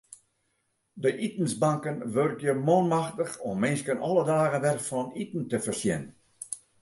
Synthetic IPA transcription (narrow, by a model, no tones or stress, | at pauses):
dəʔitn̩sbaŋkənʋørkjəmonmaxtəxɔmːɪnskənɔlˠədaːɣənʋɛrfɔnitn̩təfərsjɪn